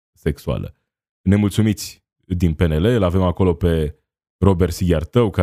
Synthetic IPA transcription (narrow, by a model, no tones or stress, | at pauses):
se̞ksua̰lə̰ | ne̞mult̪sumit̪sʲ | d̪inpe̞ne̞le̞lave̞mako̞lo̞pe̞ | ro̞be̞rt̪siɡʲart̪əwka